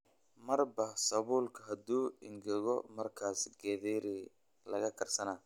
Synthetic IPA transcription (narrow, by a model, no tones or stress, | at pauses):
mɐrbɐsɐβuːlkʰɐɦɐd̪uːɪŋɡɛɣɔmɐrkʰaːsɡɛːðɛɾɪ | lɐɣɐkʰɐrsɐna